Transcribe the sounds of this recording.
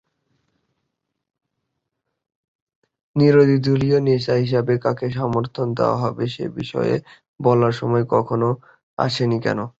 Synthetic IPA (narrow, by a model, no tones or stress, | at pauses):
niɾod̪ʱid̪ʱulioneʃaɦiʃ̬abekakʰeʃ̬ɔmoɾt̪ʰond̪ḛwa̰ɦɔbeʃḛbḭʃɔ̰jḛ | bɔlaɾʃɔmɔekɔkʰono | a̰ʃʰenikɛ̰no